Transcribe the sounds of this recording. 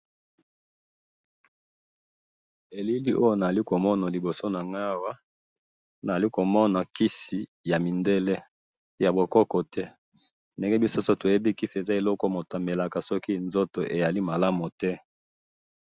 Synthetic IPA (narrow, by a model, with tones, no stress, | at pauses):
e˨li˦li˦ʔo˦jo˦na˨li˦ko˨mɔ˦na˨li˨bo˨so˦na˨ŋa˦wa˦ | na˨a˨li˦ko˨mɔ˦na˨ki˦si˨ | ja˨mi˨nde˦le˦ | ja˨bo˨kɔ˦kɔ˨tɛ˦ | nde˦ŋɡɛ˦bi˦so˦so˦to˨je˦bi˦ki˦se˨za˦e˨lɔ˦kɔ˦mo˨ta˨mbe˨la˨ka˨sɔ˦ki˦˨nzo˦to˨ʔe˨ja˨li˦ma˨la˦mo˨tɛ˦